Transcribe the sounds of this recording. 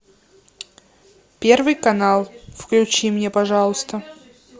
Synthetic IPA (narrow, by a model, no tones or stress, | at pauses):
pʲe̞rvɨjkɐnalˠfklʲʉt͡ɕimnʲepɐʐalˠəst̪ə